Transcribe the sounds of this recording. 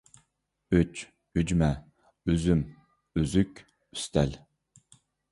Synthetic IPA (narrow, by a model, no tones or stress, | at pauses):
yt͡ʃ | yd͡ʒmɛ | yzym | øzykʲ | y̥st̪ʰɛl